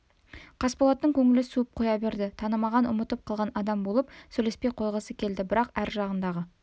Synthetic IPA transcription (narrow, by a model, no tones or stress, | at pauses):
qʰɑspolˠɑt̪ːəŋkʲʰɵŋɪlɪsuəp̚qʰo̞jɑbe̞ɾd̪ɪt̪ʰɑnəmɑʁɑnʔʊ̰mət̪əp̚qʰɑlˠʁɑnɑd̪ɑmbolˠəpsɵlespe̞jqʰo̞jʁəsəkʲʰe̞ld̪ɪbɪɾɑqæɾʒɑʁənd̪ɑʁə